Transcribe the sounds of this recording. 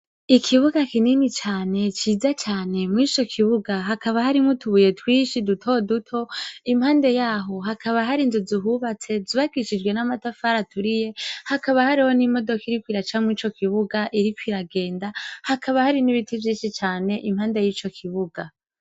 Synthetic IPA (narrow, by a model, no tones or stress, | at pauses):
ikʰiβuɡakininit͡ʃaːne̞t͡ʃiːzat͡ʃaːne̞mŋiːt͡ʃo̞kʰiβuɡaɦakaβahaɾimŋutʰuβuje̞twiːʃidutʰo̞dutʰo̞imhaːnde̞jaːɦo̞ɦakʰaβaɦaɾinzuziɦuβat͡se̞ziβaɡiʃid͡ʒɡwe̞namatafaɾatʰuɾije̞hakaβahaɾiho̞nimo̞do̞kiɾikwiːɾat͡ʃamŋiːt͡ʃo̞kiβuɡaʔiɾikwiɾaɡe̞ːndahakʰaβahaɾiniβitʰivjiːnʃit͡ʃaːne̞ʔimhaːnde̞jiːt͡ʃo̞kʰiβuɡa